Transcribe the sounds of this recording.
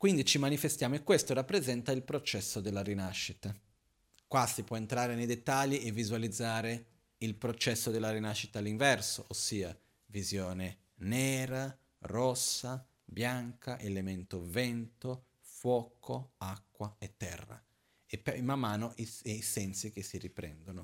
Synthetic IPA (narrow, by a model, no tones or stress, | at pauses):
kwind̪it͡ʃimanifest̪jaːmoekːwest̪orapːɾezɛnt̪ailpɾot͡ʃɛsːod̪elːaɾinaʃːit̪a | kwasipwɔent̪ɾaːɾenejd̪et̪ːaʎːiʔevizwalid̪zːaːɾe | ilpɾot͡ʃɛsːod̪elːaɾinaʃːit̪aːlːiɱvɛrsoʔosːiːa | vizjɔːne | nɛːɾa | rɔsːa | bjaŋkaʔelement̪ovɛnt̪o | fwɔːkʰoakːwaet̪ːɛ̰rːa̰ | epmːamːaːnoʔiejsɛnsik̟esːiripɾɛ̰nd̪ono